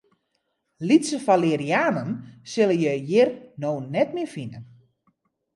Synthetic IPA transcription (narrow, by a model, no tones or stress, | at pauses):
litsəfaleːɾiaːnənsɪlənjəjɪrnoːnɛtmɪfinən